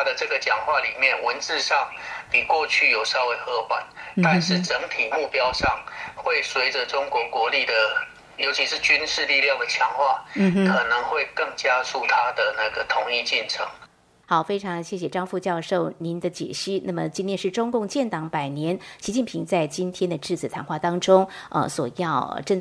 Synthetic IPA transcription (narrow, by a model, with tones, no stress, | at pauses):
a˥d̪ə˨ʈ͡ʂɤ˥˩ɡə˩t͡ɕjɑ˨˩ŋxwa˥˩li˨˩mjɛ˥˩nwə˧˦nt͡sɻ̩˥˧ʂɑ˥˩ŋpi˨˩kwɔ˥˧t͡ɕʰy˥˩jo˨˩ʊʂɑ˥˧ʊwe˥˧ɪxɤ˥˩pwa̰˨˩˦nt̪a˥˧nʂɻ̩˥˩ʈ͡ʂə˧˥ŋt̪ʰi˨˩mu˥˩pjɑ˥ʊʂɑ˥˨˩ŋxwe˥˩ɪswe˧˥ɪʈ͡ʂə˨ʈ͡ʂʊ˥ŋkwɔ˧˥kwɔ˧˥li˥˩d̪ə˩ | jo˧˥ʊt͡ɕʰi˧˥ʂɻ̩˥˧t͡ɕy˥nʂɻ̩˥˧li˥˧ljɑ˥˩ŋd̪ə˩t͡ɕʰjɑ˧˥ŋxwa˥˩m̩˩kʰɤ˨˩nɤ˧˦ŋxwe˥˧ɪkɤ˥˩ŋt͡ɕja˥su˥˩t̪ʰa˥d̪ə˨na˥˩ɡə˩t̪ʰʊ˧˥ŋi˥˧t͡ɕi˥˩nʈ͡ʂʰɤ̰˧˥˦ŋ | xɑ˨˩˦ʊfe˥ɪʈ͡ʂʰɑ˧˥ŋɕjɛ˥˩ɕjɛ˨˩ʈ͡ʂɑ˥ŋfu˥˧t͡ɕjɑ˥˧ʊʂo˥˩ʊni˨˧˥nd̪ə˧t͡ɕjɛ̰˨˩ɕi˥˩na˥˩mə˩t͡ɕi˥nʰjɛ˥˧nʂɻ̩˥˩ʈ͡ʂʊ˥ŋkʊ˥˧ŋt͡ɕjɛ˥˩nt̪ɑ˨˥ŋpa˨˩ɪnjɛ˧˥nɕi˧˥t͡ɕi˥˩npʰi˧˥ŋt͡sa˥˩ɪt͡ɕi˥nt̪ʰjɛ˥nd̪ə˨ʈ͡ʂɻ̩˥˩t͡sʰɹ̩˨˩t̪ʰa˧˥nxwa˥˩t̪ɑ˥ŋʈ͡ʂʊ˥ŋə̰˧˩swɔ˨˩jɑ˥˩ʊ̰ʈ͡ʂə˥˧ŋ